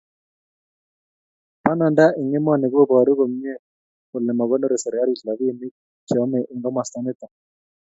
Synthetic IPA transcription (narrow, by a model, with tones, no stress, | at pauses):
pa˦na˨nda˦ʔɪ˨ŋe˦m˦a˦˨ne˨ko˦bɔ˨a˨ɾo˦ɣo˨m˦ɲɛ˦ | kʊ˨lɛ˨ma˨ɣɔ˦nɔ˦ɾe˨sɛ˨ɾa˦ɾi˨tla˨βi˦˨mi˦ | t͡ʃɔ˨˦mɛ˨ʔɪ˨ŋɡɔ˦ma˨st̪a˦nɪ˦t̪a˨